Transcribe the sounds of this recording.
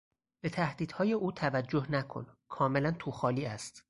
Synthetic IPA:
b̥e̞t̪ʰæhd̪̥iːd̪̥hɒːje̞uːt̪ʰævæd͡ʒːo̞hnækʰo̰nkʰɒːme̞lænt̪ʰuxɒːliːæst̪

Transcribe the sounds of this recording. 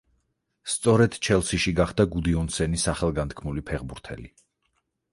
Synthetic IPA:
st̪sʼɔɾɛd̪̥t͡ʃʰɛlˠsiʃiɡaχd̪aɡud̪iɔnsɛnisaχɛlˠɡant̪kʰmulipʰɛʁbuɾt̪ʰɛ̰li

